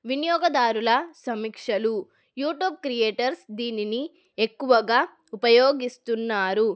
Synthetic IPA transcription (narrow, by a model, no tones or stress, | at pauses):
ʋinijɔːɡɐd̪aːɾulɐsɐmikʂɐlu | juːʈjuːb̚kɾijeːʈɐɾsd̪iːnini | e̞kːuʋɐɡaː | upɐjoːɡist̪unːaːɾu